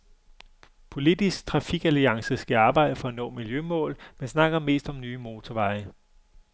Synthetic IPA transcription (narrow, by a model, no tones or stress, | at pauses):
pʰo̝lid̥isɡ̥̚t͡sʰʁɑ̈fiɡ̥æliɑ̈ŋsəsɡ̥æɑ̈ːb̥ɑ̈ɪ̰d̥əfɒ̽ænɔ̰̽ːmiljømɔ̰̽ːlmensnɑ̈ɡ̥ɐme̝̰ːsd̥ɒ̽mnyːmo̝ːt͡sʰɒʋɑ̈ɪə